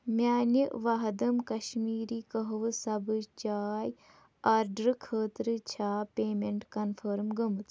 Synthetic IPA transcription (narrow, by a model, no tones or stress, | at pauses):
mʲjaːniʋaɦɐd̪ɐmkɐʃmiːɾiːkəɦʋɨsɐbɨt͡ʃaːj | aːɾɖɾɨkʰəːt̪ɾɨt͡ʃʰaːpeːmeɳʈkɐnfʰəɾmɡəmɨt͡s̪